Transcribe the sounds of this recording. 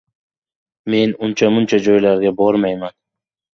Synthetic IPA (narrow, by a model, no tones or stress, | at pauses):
me̞nʊnt͡ʃʰamʊnt͡ʃʰad͡ʒɒjlaɾɡʲabɒɾmajman